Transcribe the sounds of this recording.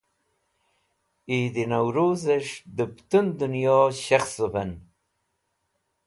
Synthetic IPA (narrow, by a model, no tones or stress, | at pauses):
id̪inawɾuːzeʂd̪əpt̪und̪unjɑːɕaxsupɐn